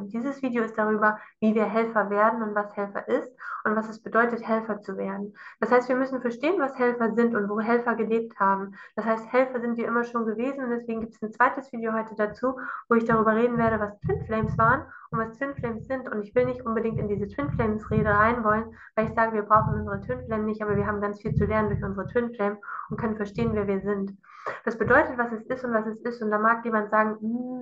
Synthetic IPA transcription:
nd̥iːzəsv̥iːdijoɪstd̥aʁ̞yːbɐviːviːɐɦɛlfɐveːɐdn̩ʊntv̥ashɛlfɐ̰ʔɪstʔʊntv̥asɛsb̥ədɔʏtəthɛlfɐt͡suveːɐdn̩d̥ashaɪstv̥iːɐmʏsn̩fɛɐʃteːənvashɛlfɐzɪntʊntv̥oːɦɛlfɐɡəleːp̚thaːbm̩d̥ashaɪsthɛlfɐzɪntv̥iːɐʔɪmɐʃoːnɡəveːzn̩ʊntd̥ɛsv̥eːɡŋ̩ɡiːp̚tɛ̥snt͡sv̥aɪtəsv̥iːdjohɔʏtədat͡suːvoːɪçd̥aʁyːbɐʁ̞eːdn̩veːɐɾəvastʰw̥ɪnflɛɪmsv̥aːʁənʊntv̥astw̥ɪnflɛɪmsz̥ɪntʊntɪçv̥ɪlnɪçtʔʊnbədɪŋktɪndiːzətʰw̥ɪnflɛɪmsʁeːɾəʁaɪnvɔlən | vaɪlɪçz̥aːɡəviːɐbʁaʊxχn̩ʔʊnzəʁətʰwɪnflɛɪmnɪçt̚ʔaːbɐviːɐɦaːbm̩ɡant͡sfiːlt͡sulɛɐnəndʊɐçʔʊnzəʁətʰw̥ɪnflɛɪmʊntkʰœnənfɛɐʃteːənvɛːɐviːɐzɪnt | d̥asb̥ədɔʏtətv̥asɛsɪstʊntv̥asɛsɪstʊntd̥aːmaːkjeːmantz̥aːɡŋ̩m̩

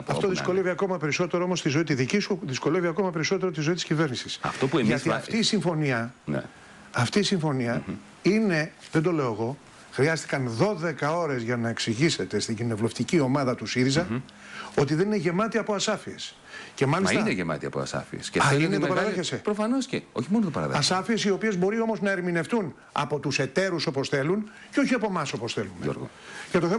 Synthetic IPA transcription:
ɐft̪oðisko̞le̞viɐko̞mɐpe̞ɾiso̞t̪eɾoomo̞st̪izo̞it̪iðicisuðisko̞le̞viɐko̞mɐpe̞ɾiso̞t̪e̞ɾo̞t̪izo̞it̪i̥scive̞ɾnisisɐ̰ft̪opuʝɐt̪iɐft̪iːsiɱfo̞niɐn̰ː | ft̪iːsiɱfo̞niɐ | ine̞ðe̞nd̪o̞le̞o̞eɣo̞ | xɾiɐst̪i̥kɐnðo̞ðe̞kɐo̞ɾe̞zʝɐnɐeksiʝise̞t̪e̞st̪iɲɟine̞vlo̞ft̪icio̞mɐðɐt̪usiɾizɐ | o̞t̪̬iðe̞nineʝe̞mɐt̪iɐpoɐsɐfie̞s | ce̞mɐlisineʝemɐ̰t̪iɐ̰po̰ɐ̰sɐ̰fḭḛsceɐinet̪opɐɾɐðeçesepɾofɐno̞sceo̰çimonot̪opɐ̰ɾɐ̰ɐsɐfie̞sio̞pie̞zbo̞ɾio̞mo̞znɐe̞ɾmine̞ft̪un | ɐ̰po̞t̪use̞t̪e̞ɾuso̞po̞sθe̞lun | ceo̞çiɐpo̞mɐso̞po̞sθe̞lumeoɾɣo | ʝɐt̪o̞θe

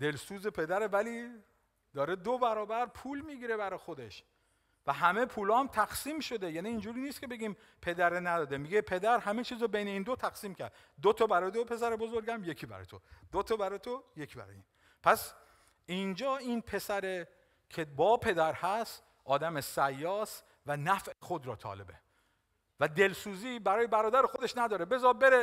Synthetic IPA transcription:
d̪e̞lsuːze̞pʰe̞d̪æɾevæliː | d̪ɒːɾed̪obæɾɒːbæɾpʰuːlmiːɡiːɾe̞bæɾɒxod̪e̞ʃ | væɦæme̞pʰuːlɒːæmt̪ʰæxsiːmʃo̞d̪ejæːniːnd͡ʒuːɾiːnist̪̚cʰe̞be̞ɡʲiːm | pʰe̞d̪æɾenæd̪ɒːd̪emiɡepʰe̞d̪æɾhæmet͡ʃʰiːzɔbejne̞iːnd̪ot̪ʰæxsiːmcʰæ̰ɾd̪ | d̪ot̪ʰɒbæɾɒːjed̪opʰe̞sæɾebo̞zoɾɡæmje̞cʰiːbæ̰ɾɒ̰jt̪ʰo̰d̪̥ot̪ʰɔbæɾɒːjt̪ʰojecʰbæ̰ɾɒ̰ːjiːn | pʰæs | ind͡ʒɒːinpʰe̞sæɾe | kʰebɒːpʰe̞d̪æɾhæst̪ | ʔɒːd̪æmesæjːɒːst̪ | vænæfʔexo̞d̪ɾɒːt̪ʰɒ̰ːlḛbḛ | væd̪e̞lsuːziːbæɾɒːje̞bæɾɒːd̪æɾexo̞d̪e̞ʃnæd̪ɒːɾebe̞zɒbe̞ɾe

